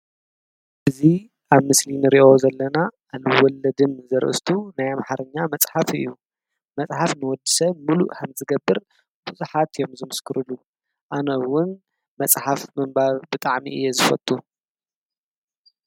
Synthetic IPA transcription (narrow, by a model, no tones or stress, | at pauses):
ʔɨzi | aβmɨslinɨɾiʔo̞zɐlːɐnaʔːlwɔlːɐd̪ɨnzɐɾʔɨ̰st̪ʰunajamħaɾɐɲːamɐt͡sʼħafɨ̰jːu | mɐt͡sʼħafnɨwɔd̪ɨsɐmulṵʔkʰɐmzɨɡɐbːɨɾ | buzuħat̪jo̞mzɨmɨskʰɨɾɨlu | ʔanɐwʊn | mɐt͡sʼħafmɨmbaɾbɨt̪ʼaʕmḭʔɨ̰jːezɨfɐt̪ʰʼːu